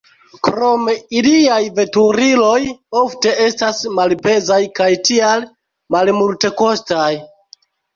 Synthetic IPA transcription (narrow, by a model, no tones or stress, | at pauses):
kɾo̞me̞iliajve̞tuɾilo̞jo̞fte̞e̞stasmalpe̞zajkajtial | malmulte̞ko̞staj